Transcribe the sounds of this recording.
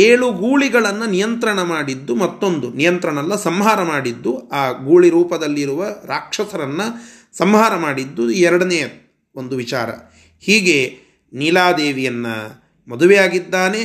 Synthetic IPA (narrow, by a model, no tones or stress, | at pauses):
eːɭuɡuːɭiɡɐɭɐnːɐnijɐnt̪ɾɐɳɐmaːɽid̪ːumɐt̪ːo̞nd̪unijɐnt̪ɾɐɳɐlːɐsɐmɦaːɾɐmaːɽid̪ːuaːɡuːɭiɾuːpɐd̪ɐlːiɾuʋɐɾaːkʂɐsɐɾɐnːɐ | sɐmɦaːɾɐmaːɽid̪ːuɛɾɐɽɐneːjɐ | o̞nd̪uʋit͡ʃaːɾɐ̰ | hiːɡe̞ | nilaːd̪eːʋijɐnːɐ̰ | mɔd̪uʋijaːɡid̪ːaːne̞